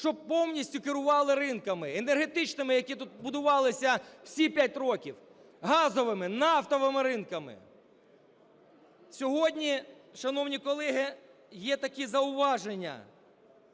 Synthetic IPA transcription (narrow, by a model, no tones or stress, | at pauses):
ʃt͡ʃɔb̚pɔwnʲisʲtʲʊkɪɾʊʋɑlˠɪɾɪnkɐmɪenerɦe̞t̪ɪt͡ʃnɪmɪjɐkʲit̪ut̪̚bʊd̪ʊʋɑlˠɪsʲɐw̥sʲipʲjat̚ʲrɔkʲiw | ɦɑzɔʋɪmɪnɑft̪ɔʋɪmɪɾɪnkɐmɪ̰ | sʲɔɦɔdʲnʲiʃɐnɔwnʲikɔlˠɛɦɪ | jɛt̪ɐkizɐʊʋɑʒenʲːɐ̰